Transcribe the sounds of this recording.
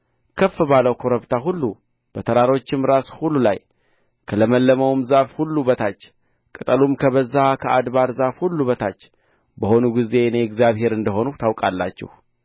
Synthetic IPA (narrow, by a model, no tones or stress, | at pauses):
kʰəfːɨbaləwkʰo̞ɾəβt̪ʰaɦulːu | b̥ət̪ʰəɾaɾo̞t͡ʃːɪmɾashulːulaj | kʰələməlːəməwmzafhulːubət̪ʰat͡ʃː | kʼɨt̪ʼəlumkʰəβəzːakʰəad̪βaɾzafhulːuβət̪ʰat͡ʃː | bəho̞nuɡize̞neɛɡzjaβɦe̞ɾɨnd̪əɦo̞nut̪ʰawkʼalːa̰t͡ʃːɛ̰h